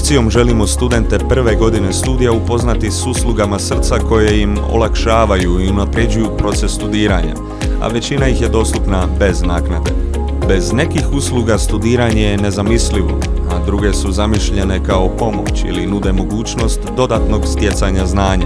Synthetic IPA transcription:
t̪sijo̞mʒe̞limo̞st̪ud̪e̞nt̪e̞pr̩ʋe̞ɡo̞d̪ine̞st̪uːd̪ijaupo̞znat̪isuslˠuɡamasr̩t̪sako̞je̞jimo̰lakʃaːʋajuiunapɾje̞d͡ʑujupɾo̞t̪se̞sːt̪ud̪iːɾaɲa̰ | a̰ʋe̞t͡ɕinajixje̞d̪o̞ːst̪upnabe̞znaːknad̪e̞̰ | be̞zne̞kixuslˠuɡast̪ud̪iːɾaɲe̞jene̞zamisliʋo̞̰ | ad̪ɾuɡe̞suzamiʃʎe̞ne̞kao̞po̞mo̞̰t͡ɕḭlinud̪e̞mo̞ɡuːt͡ɕno̞st̪d̪o̞d̪at̪no̞ɡst̪je̞t̪saɲaznaːɲa̰

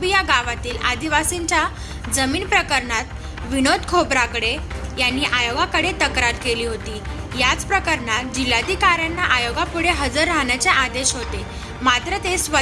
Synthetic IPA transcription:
bijaɡaʋat̪iːlʔa̰d̪iʋasiɲt͡ɕja | d͡zəmiːnpɾəkəɾɳat̪ | ʋinod̪kʰopɾakɽejanːiʔajoɡakəɽet̪əkɾaɾkeliːɦot̪iːjat͡spɾəkəɾɳat̪d͡ʑilːad̪ʱikaɾjanːaʔajoɡapuɽeɦəd͡zəɾːaɦɳjat͡seʔad̪eɕɦot̪e | mat̪ɾət̪esʋə

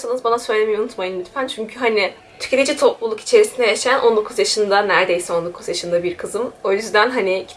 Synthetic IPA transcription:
sanɯzbanasø̞jlʲmijunut̪majɯnmyt̪fænt͡ʃʰyɲcʰyɦanɪ | t̪ʰy̥cʰe̞t̪ʰed͡ʒit̪ʰoplˠulˠuki̥t͡ʃʰe̞ɾisinɛjaʃnʔo̞nd̪o̞kʰuzjaʃɯnd̪anæɾd̪ejsɛo̞nd̪okʰuzjaʃɯnd̪abiɾkʰɯzɯmo̞jyzd̪ænɦanɪ

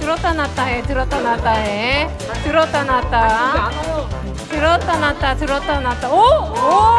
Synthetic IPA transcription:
t̪ɯɾot̪anat̪ːaɦet̪ɯɾot̪anat̪ːaɦe | t̪ɯɾot̪anat̪ːa | t̪ɯɾot̪ːanat̪at̪ɯɾot̪anat̪ːao

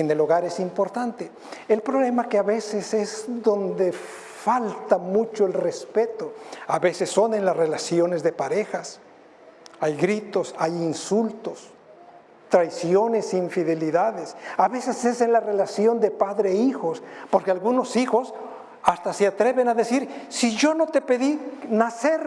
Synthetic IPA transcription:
eneloɣaɾe̞simpo̞ɾt̪ant̪e | elpɾo̞βle̞makeaβe̞sesezðo̞nd̪e | falt̪amut͡ʃoelrespe̞t̪oaβe̞se̞sːo̞ne̞nlasre̞lasjo̞ne̞zðe̞paɾe̞xas | ajɡɾit̪o̞sajinsult̪o̞s | t̪ɾajsjo̞ne̞seiɱfiðe̞liðaðesaβe̞sese̞senlare̞lasjo̞nd̪e̞paðɾeixo̞spoɾkealɣuno̞sixo̞s | ast̪aseat̪ɾe̞βe̞naðe̞siɾsiʝo̞no̞t̪e̞pe̞ðinase̞ɾ

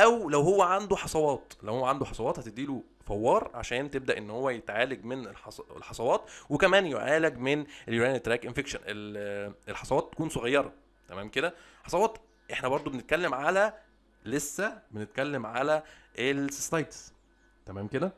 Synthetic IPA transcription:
ʔæwlæwhowːæʕand̪uħɑsˤɑwɑːt̪læwhowːæʕand̪uħɑsˤɑwɑːt̪hæt̪ed̪iːlu | fɑwːɑːɾˤʕa̰ʃæːnt̪eb̚d̪æʔenːhowːæjet̪ʕaːlæɡmenelħɑsˤḛlħɑsˤɑwɑːt̪wekæmæːnjoʕaːlæɡmeneljuɾæːnet̪ːɾæːkʔenfekʃænʔelelħɑsˤɑwɑːt̪ːæ̥kuːnsoɣɑjːɑɾˤɑ | t̪æmæːmked̪æ | ħɑ̥sˤɑwɑːt̪ | ʔeħnæbɑɾˤd̪ˤobenet̪̚kælːemʕalæ | lesːæbenet̪̚kælːemʕalæelsstɑjd̪s | t̪æmæːmked̪æ

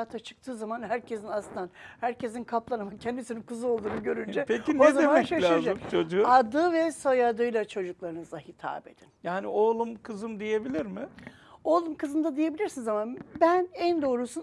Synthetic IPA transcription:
aːt̪ʰat͡ʃʰɯ̥k̚t̪ʰɯːzamanhæɾcʰe̞zinaslˠɯnanhæɾce̞zinkʰaplˠanamacʰɛnd̪isininkuzuo̞lˠd̪uːnuɟø̞ɾynd͡ʒɛpʰecinozaemaɛcʃalʲaːzɯmt͡ʃʰod͡ʒuad̪ɯvɛsojad̪ɯjlˠat͡ʃʰo̞d͡ʒuklˠaɾɯnɯzlˠahit̪ʰa̰ːbe̞̰d̪̥injaːnioːlˠumkʰɯzɯmd̪ije̞bilʲiɾmɪ | o̞ːlˠumkʰɯzɯmd̪ad̪ije̞bilʲiɾsinizamabænænd̪o̞ːɾusun

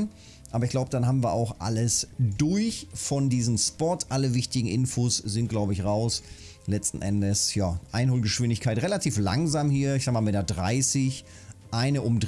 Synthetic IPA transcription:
n | ʔaːbɐɪçɡ̥laʊbəd̥anɦaːbm̩viːɐʔa̰ʊxʔa̰ləsdʊɐçfɔndiːzəmspɔtʔaləvɪçtɪɡŋ̩ʔɪnfoːszɪnt̚ɡ̥laʊbəɪçʁaʊs | lɛt͡stn̩ʔɛndəsjaːʔaɪnhoːlɡəʃv̥ɪndɪçkʰaɪtʁelatʰiːfla̰ŋzaːmhiːɐɪçzaːɡəmaːlmetaɐdʁa̰ɪsɪç | ʔaɪnəʔʊmd

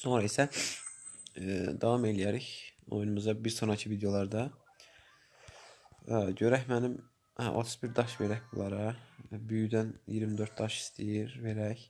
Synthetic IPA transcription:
so̞nɾɑisæ | d̪ɑvɑme̞lijæɾiço̰junumuzɑbiɾso̞nɾɑcʰivid̪ejo̞lˠɑɾd̪ɑ | ɟøɾæçmænim | æ̰ʔo̰t̪ʰu̥sbiɾd̪ɑʃve̞ɾæçbulˠɑɾɑbyjyd̪ænjiɾmid̪øɾt̪̚d̪ɑʃi̥st̪ʰijiɾve̞ɾæç

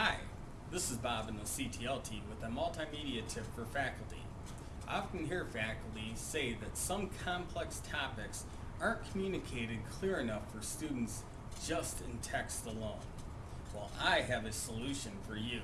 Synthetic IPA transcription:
aɪ | ðɪsɨzbɑbɨ̃n̩əsitʰiɛlˠtʰiwɨðɨmʌlˠtamiɾiɨtʰɪv̥fə˞fækl̩ˠtḭ | ʔa̰fkn̩ɦiɹfækl̩ˠtiseɪðɨtsʌ̃mkʰɑ̃mpʰl̥ɛkstʰɑpɨks | ə˞tkʰm̩jʉnɨkʰeɪɾɨd̚kʰl̥ɪɹɨnʌfə˞stʉdⁿn̩ts | d̥ʒ̥ʌstɨ̃ntʰɛkstəlõʊ̃n | waɪlˠʔaɪɨvɨsəlʉʃɨ̃nfə˞jʉ

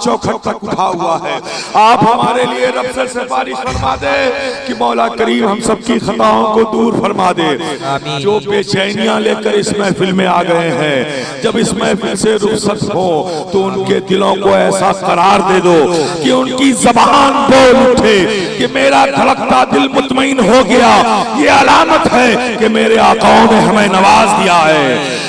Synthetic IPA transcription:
t͡ʃɔːkʰəʈ̚t̪ɐkʊʈʰaɦʊaɦɛːaːpɦɐmaːɾelieɾɐbsəɾsebaːɾɪʃfɐɾmaːd̪ekimɔːlakəɾiːmɦɐmsɐb̚kixɐt̪aːõkod̪uːɾfɐɾmaːd̪eːd͡ʒoːpeːt͡ʃaːnijãleːkəɾɪsmẽfɪlmẽaːɡɐeɦɛ̃ː | d͡ʒɐbɪsmẽfɪlmseɾʊksət̪ɦõːt̪oʊnked̪ɪlõkoɛːsaqɐɾaːɾd̪eːd̪oːkeʊnkizɐbaːnboːlʊʈʰekemeːɾat̪ʰɐləkt̪ad̪ɪlmʊt̪məɪnɦoɡɐjaːjeɐlaːmət̪ɦɛ | kemeːɾeaːqaːõneɦɐmẽnɐʋaːzd̪ijaɦɛː

